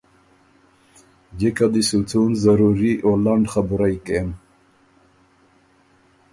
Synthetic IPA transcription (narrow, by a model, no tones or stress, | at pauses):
d͡ʑekad̪isut͡s̪ʰunzaɾuɾiʔolaɳɖxabuɾajkem